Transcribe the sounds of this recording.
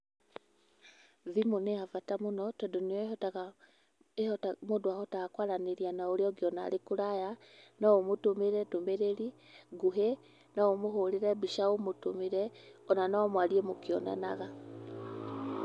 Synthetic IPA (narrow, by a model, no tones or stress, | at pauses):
ðimoneavatamonɔtɔdonijɔ | emodwahɔtaɣakwaɾaneɾianaoɾeɔɡiɔna̰ɾekuɾaja | naomotomeɾɛtomeɾeɾi | ɡuɦe | naomoɦoɾeɾɛbiʃaomotomeɾɛɔnanamwaɾiemokiɔna̰naɣa